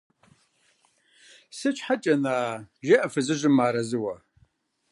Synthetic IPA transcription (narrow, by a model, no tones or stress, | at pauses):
sɨt͡ʃʰħat͡ʃʼɐnaːʒɐʔɐfɨzɨʒʷɪmːaːɾɐzɨwɐ